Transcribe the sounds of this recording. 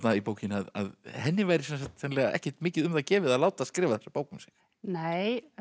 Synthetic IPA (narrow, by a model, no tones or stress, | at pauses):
t̪naipowcɪnaða̰ðhɛnːɪvajɾɪsɛnsakt̪ɛnlɛːɣaʔɛ̰hcɛt̪mɪːcɪðʏmðacɛːvɪðaðlaːwt̪askɾɪːvaθɛsḁpoːwkʏmsi̥ | neːj